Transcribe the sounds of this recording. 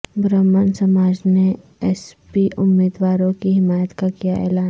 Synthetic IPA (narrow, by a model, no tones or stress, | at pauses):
bɾəmːənsɐmaːd͡ʒneɛspiʔʊmːiːd̪ʋaːɾõkiɦɪmaːjət̪kakijaʔɛ̰ːlaː